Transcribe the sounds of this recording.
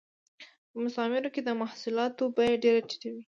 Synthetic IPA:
pəmʊsɑmɪɾoked̪əmahsulɑt̪obajaɖeɾat͡ʃi̥ʈawi

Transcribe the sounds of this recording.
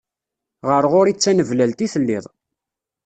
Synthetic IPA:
ʁəɾʁʊɾit͡sːænəvlælt̪iθəlːɪ̰ðˤ

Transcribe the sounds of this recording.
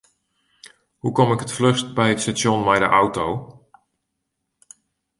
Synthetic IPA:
hukɔmɪkətfløstbɛjətstasjɔnmɛjdə̰ʔawtow

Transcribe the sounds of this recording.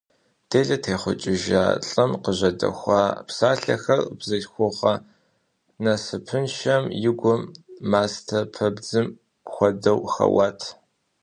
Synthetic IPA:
d̥eːɮɐtʰeːχʷʊt͡ʃʼɪʒa̰ːɬʼɨmqəʑɐdɐ̰xʷɑːpsaːɬɐ̰xɐrbzɐɬxʷʊʁɐ | nɐsɨpʰɨnʃɐmjɪɡʷʊmːaːstʰɐpʰɐbd͡zɨm | xʷɔdɐwxɐ̰wɑːtʰ

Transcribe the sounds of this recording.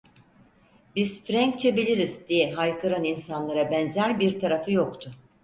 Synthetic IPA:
biz̥fɾæŋk̚t͡ʃʰɛbilʲiɾizd̪ijɛɦajkʰɯɾaninsanlˠaɾabɛnzæɾbiɾt̪ʰaɾafɯjo̞kt̪ʰʊ

